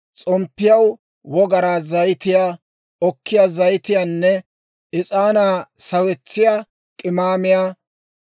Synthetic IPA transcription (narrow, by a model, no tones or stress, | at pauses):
t͡sʼɔmpːɪjɐw | wɔɡɐɾaːzɐjt̪ɪjaː | ɔkːɪjaːzɐjt̪ɪjaːnːɛ | ʔɪt͡sʼaːnaːsɐwɛt͡sːɪjaː | kʼɪmaːmɪjaː